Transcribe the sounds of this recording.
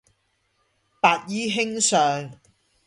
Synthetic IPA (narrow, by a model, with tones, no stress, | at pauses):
paː˨˧t̚jiː˨˥ɦɪ˥ŋsœː˨ŋ